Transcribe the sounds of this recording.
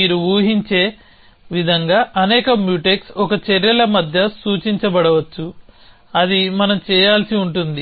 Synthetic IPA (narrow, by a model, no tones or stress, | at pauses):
iːɾuuːɦiɲt͡ʃe̞ː | ʋid̪ʱɐŋɡaːʔɐnɛːkɐmjuːʈeksɔkɐt͡ʃeɾjɐlɐmɐd̪ʱjɐsuːt͡ʃiɲt͡ʃɐbɐɽɐʋɐt͡ʃːu | ɐd̪imɐnɐmt͡ʃɛːjaːlsiuɳʈund̪i